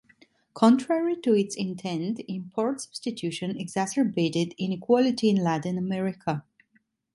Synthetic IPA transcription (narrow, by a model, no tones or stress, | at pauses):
kʰɔ̃ntʰɹɛɹituɪtsɪ̃ntʰɛ̃ntɪ̃npʰɔɹtsʌ̥b̥stɨtʰjʉʃə̃nɛɡzæsə˞beɪɾɪdɪ̃nikʰwɔlɪtiɪ̃nlatɪ̃nəmɛɹɪkʰə